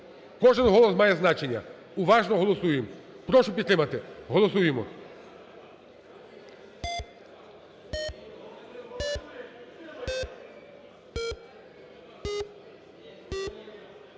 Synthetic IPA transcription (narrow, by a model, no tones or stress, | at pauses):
kɔʒɛnɦɔlˠɔsmajeznat͡ʃeɲa | uʋaʒnɔɦɔlˠɔsujim | pɾɔʃɔpit̪ɾɛmat̪ɛɦɔlˠɔsujimɔ̰